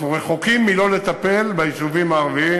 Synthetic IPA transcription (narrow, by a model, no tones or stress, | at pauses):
ʁeχokimːilo̞le̞t̪ape̞lbaisuvimaːʁvi